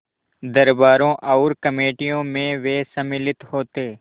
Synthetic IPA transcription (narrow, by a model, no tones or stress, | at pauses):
d̪əɾbaːɾõːʔaʊɾkəmeːʈijõːmẽʋeːsəmɪlɪt̪hoːt̪eː